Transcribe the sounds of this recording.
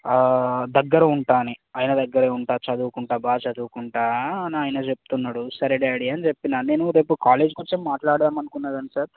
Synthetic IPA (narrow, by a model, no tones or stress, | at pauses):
d̪ɐɡːɐɾɐuɳʈaːniaːjnɐd̪ɐɡːɐɾeːuɳʈaːt͡ʃɐd̪uːkuɳʈaːbaːt͡ʃɐd̪uːkuɳʈaːɐniaːjnɐt͡ʃep̚u̥t̪unːaːɽusɐɾiɖaɽiɐnit͡ʃepːinaːne̞ːnuɾe̞ːpukaːle̞ːd͡ʒkot͡ʃːimːaːʈlaːɽt̪aːmɐnukunːaːd̪ɐnisɐɾ